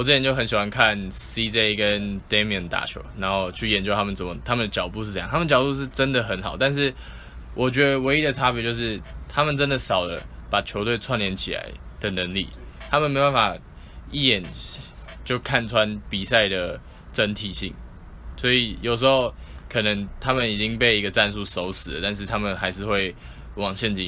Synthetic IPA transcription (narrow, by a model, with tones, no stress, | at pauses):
wɔ˨t͡sə˥t͡ɕʰɛ˧˦nt͡ɕjo˥˩ə˦nɕi˨˩xwa˦nkʰa˥˨nsi˦˥t͡se˥ɪkə˦nd̪e˥mə˨˩nt̪a̰˨˩t͡ɕʰɔ̰˩˥na˧˥nxo˥˧ʊt͡ɕʰy˥˩jɛ˧˦nt͡ɕo˥ʊt̪ʰa˥mə˨nt͡sə˧˩mə˨˩t̪ʰa˥mə˨nd̪ə˩t͡ɕjɑ˨˩ʊt̪u˥˧ʂ̩˥˧j̰ŋt̪ʰa˥mə˨nət͡ɕjɑ˨ʊt̪u˥˧ʂɻ̩˥˩ʈ͡ʂə˦˥nd̪ə˨ɦə˧˥nxɑ˨˩ʊt̪a˥˧nʂ̬ɻ̩˥˩ | wʔɔ˨˩t͡ɕɥɛ˧˥d̪ə˧˨we˧˥ɪi˥d̪ə˨t͡sʰa˥pe˨˦t͡ɕjo˥˧ʊʂ̬ɻ̩˥˩t̪ʰa˥mə˨nt͡sə˦˥nd̪ə˨sɑ˨˩ʊlə̰˦pa˨˩t͡ɕʰjo˧˥ʊt̪we˥˩ɪt͡sʰwa˥˩nljɛ˧˥nt͡ɕʰi˨˩la̰˧˦ɪd̪̥ə˨nə˧˦˥ŋlḭ˥˨˩t̪ʰa˥mə˨nme˧˥˨ba˥nfa˨˩ | i˥˩jɛ˨˩n | t͡ɕjo˥˧ʊkʰa˥˩nt͡sʰwa˦npi˨˩sa˥˩ɪd̪ə˩ | ʈ͡ʂə˦nt̪ʰi˨˩ɕḭ˥˩ŋ | swɔ˧˥i˨˩jo˨˩ʊʂ̬̩˧˥xo˥˧˩ʊkʰɤ˨˩nə˧˦ŋt̪ʰa˥mə˨ni˨˩t͡ɕi˦ŋpe˥ɪi˦˥ɡə˨t͡sa˥˧ns̬u˥˩so˧˥ʊsɹ̩˨˩lə̰˦t̪a˥˧nʂ̬ɻ̩˥˩t̪ʰa˥mə˨nxa˧˥ɪʂɻ̩˥˧xwe˥˩ɪ | wɑ˨˩ŋɕjɛ˥˧nt͡ɕḭ˨˥